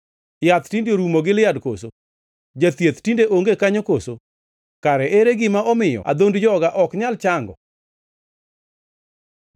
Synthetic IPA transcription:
jat̪tindjoɾumoɡɪlɪjadko̰so | d͡ʒat̪jet̪tindeʔoŋɡekaɲokoso | kaɾɛʔeɾeɡɪmaɔmɪjɔ̰a̰d̪ondd͡ʒɔɡaʔɔkɲalt͡ʃaŋɡɔ

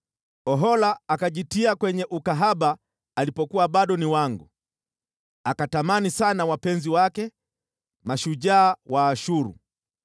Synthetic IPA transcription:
ɔɦɔlaːkaʄitiakwɛɲɛʔukaɦaɓaː | lipɔkuwaɓaɗɔniwaŋɡu | akatamanisanawapɛnziwakɛ | maʃuʄaːwaːʃuɾṵ

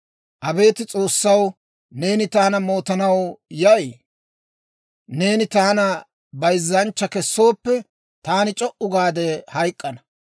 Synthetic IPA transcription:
ʔɐbe̞ːt̪ɪt͡sʼo̞ːsːɐw | ne̞ːnɪt̪aːnɐmo̞ːt̪ɐnɐwjɐ | ne̞ːnɪt̪aːnɐ | bɐjzːɐnt͡ʃːɐkɛsːo̞ːpːɛ | t̪aːnɪt͡ʃʼɔʔʊɡaːd̪ɛhɐjkʼːɐnɐ

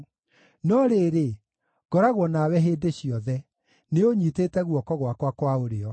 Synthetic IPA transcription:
nɔɾeːɾe | ɡ̥ɔɾaɣwɔnawɛɦeːdeɕiɔðɛ | neoɲiteːtɛɣwɔkɔɣwakwakwaoɾeɔ

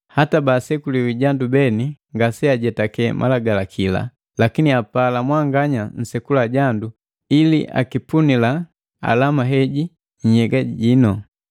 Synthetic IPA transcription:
hatabasɛkuliwiɟandubɛniŋɡasɛaɟɛtakɛmʔa̰laɡalakʰila̰ | lakiniapalamwaŋɡaɲan̩sɛkulaɟandu | ilḭʔa̰kipunila | a̰lamaɦɛɟi | ɲ̩hɛɡaɟinɔ

